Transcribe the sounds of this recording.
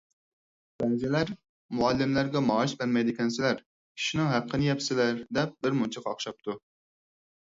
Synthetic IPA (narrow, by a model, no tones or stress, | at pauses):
b̥ɛzɪlæɾ | muɑlːɪmlæɾɡʲɛmɑːiʃbɛɾmɛjd̪ɪkʲʰɛnsɪlæɾ | kʲʰi̥ʃinɨŋɦæp̚qʰːənɨjɛpsɪlæɾd̪ɛp̚bɪɾmunt͡ʃʰɑqɑχʃɑp̚t̪ʰu